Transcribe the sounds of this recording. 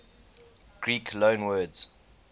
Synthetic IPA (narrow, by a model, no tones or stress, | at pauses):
ɡ̥ɹiːkʰlõːnwɜːdz̥